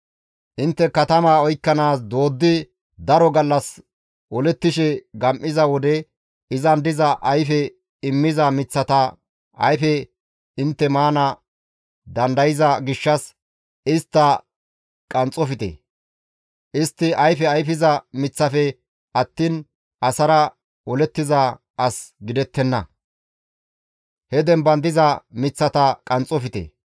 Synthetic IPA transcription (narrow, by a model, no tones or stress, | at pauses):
ʔɪnt̪ːɛkɐt̪ɐmaːɔjkːɐnaːs̬d̪o̞ːd̪ːɪ | d̪ɐɾɔɡɐlːɐs | ʔɔlɛt̪ːɪʃɛɡɐmʔɪzɐwɔd̪ɛ | ɪzɐnd̪ɪzɐʔɐjfɛ | ɪmːɪzɐmɪt͡sːɐt̪ɐ | ɐ̰jfɛ | ɪnt̪ːɛmaːnɐ | d̪ɐnd̪ɐjɪzɐɡɪʃːɐs | ɪst̪ːɐ | kʼɐnt͡sʼɔfɪt̪ḛ | ʔɪst̪ːɪɐjfɛɐjfɪzɐmɪt͡sːɐfɛ | ɐt̪ːiːn | ʔɐsɐɾɐ | ʔɔlɛt̪ːɪzɐ | ɐsɡɪd̪ɛt̪ːɛnːɐ | hɛd̪ɛmbɐnd̪ɪzɐmɪt͡sːɐt̪ɐkʼɐnt͡sʼɔfɪt̪ḛː